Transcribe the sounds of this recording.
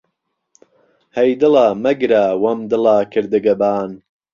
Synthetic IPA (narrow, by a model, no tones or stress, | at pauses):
hɐjd̪ɨlaːmɐɡɾaːwɐmd̪ɨlaːkʰɨɾd̪ɨɡɐbaːn